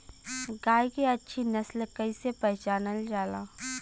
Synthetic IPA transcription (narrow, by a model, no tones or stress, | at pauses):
ɡaːjkeɐtːʃʰinɐslkɐisepɛɦt͡ʃaːnəld͡ʒaːlaː